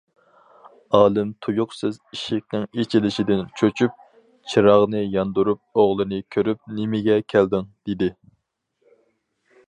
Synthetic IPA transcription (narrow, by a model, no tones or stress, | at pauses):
ɑːlˠɨmt̪ʰujuqsɨziʃɪk̚ʲnɪŋet͡ʃʰilɪʃid̪ɪnt͡ʃʰøt͡ʃʰyp̚ | t͡ʃʰiɾɑʁnɨjɑnd̪uɾup̚oʁlˠɨnɨkʲʰøɾyp̚nɪmɪɡʲɛkʲʰæld̪ɪŋd̪̥ed̪ɪ